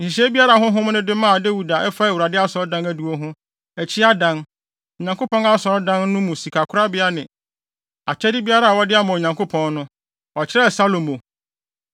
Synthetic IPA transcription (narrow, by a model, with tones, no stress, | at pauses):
n̩˨ɕi˨ɕ̬ɛ˦bi˦a˦ɾa˨ɦʊ̃˦ɦʊ̃˦m˦nɪ̃˦dɪ˦mãː˦˨de˦wu˨da˨ʔɛ˦fa˦ɛ˨u˨ɾa˨dɪ˦a˦sɔ˨ɾɔ˦dã˦næ˨du˨o˦ɦʊ̃˦ | ɛ˨t͡ɕʰɪ˦a˦dã˦n˨ | ɲã˨ŋkʰo˦pɔ̃˦na˦sɔ˨ɾɔ˦dã˦nːʊ̃˦mũ˨si˨kʰa˨kʰʊ˦ɾa˦bɪ˦a˦nɪ̃˨ | a˨t͡ɕʰɛ˦dɪ˦bi˦a˦ɾa˦˨wɔ˦dɪ˦a˦mã˨ɲã˨ŋkʰo˦pʰɔ̃˦nnʊ̃˦ | ɔ˨t͡ɕʰɪ˦ɾɛ˦˨sa˦lo˨mo˨